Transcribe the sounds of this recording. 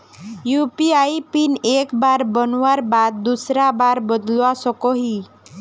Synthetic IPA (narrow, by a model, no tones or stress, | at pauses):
jupiajpinekbaɾbɔnwaɾbad̪̚ːusɾabaɾbɔd̪luasɔkɔɦi